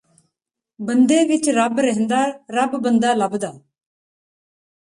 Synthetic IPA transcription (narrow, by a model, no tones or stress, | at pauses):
bənd̪eːʋɪt͡ʃɾəbɾəɦnd̪aːɾəbbənd̪aːləbd̪aː